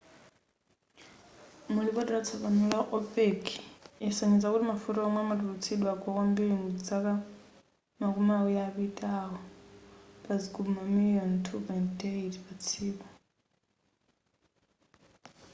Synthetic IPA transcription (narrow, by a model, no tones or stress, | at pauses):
mulipɔdiɾat͡sʰɔβanulaʔɔpʼekʰiɛsaɲid͡zakutimafutɔɔmwɛmatulut͡sʰiɗwaɡɔkɔmbiɾiŋud͡zaka | makumaujaːpitʼaɦɔ | paziɡubumamilijɔntʰupɔintdeitipat͡sʰiːkɔ